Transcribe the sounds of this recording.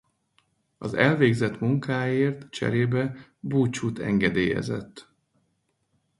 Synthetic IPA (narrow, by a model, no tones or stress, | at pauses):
ɒzɛlveːɡzɛt̪muŋkaːjeːrt̪t͡ʃɛ̰ɾeːbɛbuːt͡ʃut̪ɛ̰ŋɡɛd̪eːjɛ̰zɛ̰t̪ː